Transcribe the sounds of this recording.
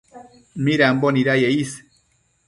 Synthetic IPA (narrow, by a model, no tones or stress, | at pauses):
miɾamboniɾajeis